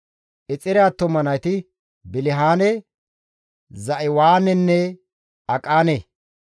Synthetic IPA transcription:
ʔɛt͡sʼɪɾɪaːt̪ːɔmɐnɐjt̪ɪ | bɪlɪɦaːnɛ | zɐʔɪwaːnɛnːɛ | ɐkʼaːne

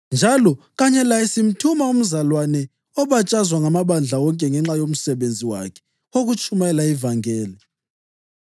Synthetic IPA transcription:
nd͡ʒʱalɔ | ɣaɲɛlaisim̩tʰumaum̩zalwanɛ | ɔβat͡ʃʼazwaŋamaβand͡ɮʱawɔŋkʼɛŋɛŋ͡ǁajom̩sɛβend͡zʱiwa̰kʰɛ̥ | oɣut͡ʃʰʼumaɛlaivaŋɛːlɛ

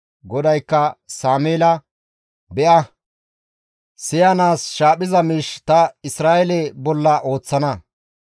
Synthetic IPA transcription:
ɡɔd̪ɐjkːɐsaːmeːlɐ | bɛʔɐ | sɪjɐnaːsʃaːpʼɪzɐmiʃt̪ɐɪsɾaːjɛlɛbɔlːɐʔo̞ːt͡sːɐnɐ

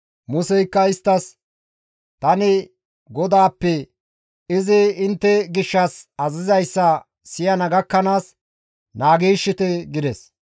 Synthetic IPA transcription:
mʊsɛjkːɐɪst̪ːɐs | t̪ɐnɪ | ɡɔd̪aːpːɛ | ɪzɪɪnt̪ːɛɡɪʃːɐsɐzɪzɐjsːɐ | sɪjɐnɐɡɐkːɐnaːs | naːɡiːʃːɪt̪ɛɡɪd̪ɛs

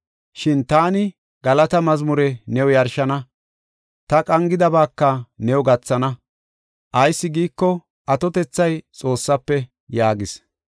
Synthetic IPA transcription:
ʃɪnt̪aːnɪ | ɡ̥ɐlɐt̪ɐmɐzmʊɾɛnɛwʊjɐɾʃɐnɐ | t̪ɐkʼɐŋɡɪd̪ɐbaːkːɐnɛwʊɡɐt͡sːɐnɐ | ʔɐjsːɪɡiːkːɔ | ʔɐt̪ɔt̪ɛt͡sːɐjt͡sʼo̞ːsːɐpːɛ | jaːɡɪs

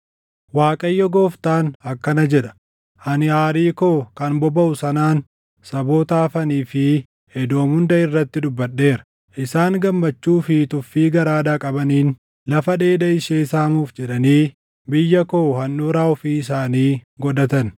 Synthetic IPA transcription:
waːkʼɐjːɔɡo̞ːft̪aːnɐkːɐnɐd͡ʒɛᶑɐ̥ | ʔɐnɪaːɾiːkoːkɐnbɔbɐʔʊsɐnaːn | sɐbo̞ːt̪aːfɐniːfɪ | hɛd̪o̞ːmhʊnd̪ɐɪrːɐt̪ːɪd̪ʊbːɐɗːe̞ːɾɐ̥ | ʔɪsaːŋɡɐmːɐt͡ʃːuːfɪt̪ʊfːiːɡɐɾaːd̪aːkʼɐbɐniːn | lɐfɐᶑe̞ːd̪ɐɪʃeːɪsaːmuːfd͡ʒɛᶑɐniː | bɪjːɐkoːhɐnːuːɾaːɔfiːɪsaːniːɡɔd̪ɐt̪ɐn

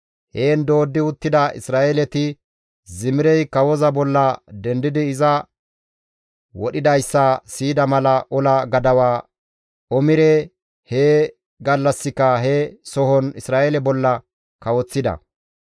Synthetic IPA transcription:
heːnd̪o̞ːd̪ːɪʊt̪ːɪd̪ɐʔɪ̰sɾaːʔelɛt̪ɪ | zɪmɪɾɛjkɐwɔzɐbɔlːɐd̪ɛnd̪ɪd̪ɪːzɐ | wɔɗɪd̪ɐjsːɐsiːd̪ɐmɐlɐʔɔlɐɡɐd̪ɐwaː | ɔmɪɾɛ | heː | ɡɐlːɐsːɪkːɐɦɛsɔhɔnɪsɾaːelɛbɔlːɐ | kɐwɔt͡sːɪd̪ɐ̰

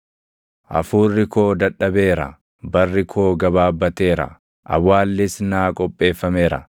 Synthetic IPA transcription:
ʔɐ̰fuːrːɪko̞ːd̪ɐᶑɐbe̞ːɾɐ̰ | bɐrːɪkʰo̞ːɡɐbaːbːɐt̪e̞ːɾɐ̰ | ʔɐ̰wːaːlːɪsnaːkʼɔpʼːe̞ːfːɐme̞ːɾɐ̰

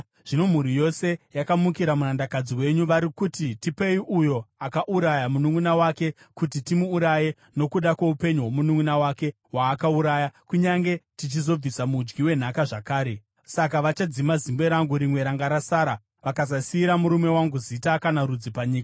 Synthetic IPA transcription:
ʐ̥ino̞m̤uɾijo̞se̞jakamukiɾamunandakad͡ziwe̞ɲuʋaɾikutitipe̞iʔujo̞akaʔuɾajamunuŋunawake̞ | kutitimuːɾaje̞ | no̞kuɗakweupe̞ɲuɦwo̞munuŋunawake̞ | waːkauɾaːjakuɲaŋɡe̞tit͡ʃizo̞b͡visamud͡ʒɡiwe̞n̤akaʐakaːɾe̞ | sakaʋat͡ʃad͡zimazimbe̞ɾaŋɡuɾimwe̞ɾaŋɡaɾasaːɾa | ʋakazasiːɾamuɾume̞waŋɡuzitakanaɾud͡zipaɲiːka

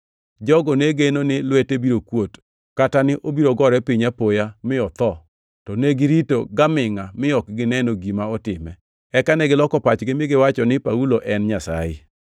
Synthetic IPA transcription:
d͡ʒɔɡɔneɡenonɪlwetebiɾokwot | katanɪʔobiɾoɡɔɾɛpiɲapojamɪɔt̪ɔ | tɔneɡɪɾito̰ɡamɪŋamɪɔk̚ɡɪnɛnoɡimaɔtɪmɛ̰ | ɛkanɛɡɪlɔkɔpat͡ʃɡɪmɪɡɪwat͡ʃɔnɪpauloʔɛnɲasa̰jɪ̰

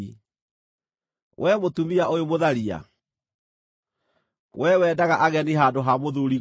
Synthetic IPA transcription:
wʔɛmotumiaʔojomoðaɾia̰ | wɛwɛːdaɣaʔaɣɛniɦandoɦamoðuɾi

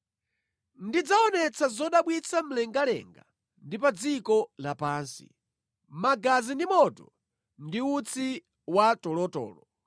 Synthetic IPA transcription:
ndid͡zaɔnɛt͡sʰazɔɗaɓwit͡sʰam̩lɛŋɡalɛ̰ŋɡa̰ | ndipad͡zikɔlapaːnsḭ | maɡazindimɔtɔ | ndiut͡sʰi | watɔlɔtɔ̰ːlɔ

